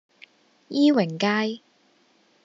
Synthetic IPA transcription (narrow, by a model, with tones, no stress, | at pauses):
jiː˥wɪ˨˩ŋkaː˥j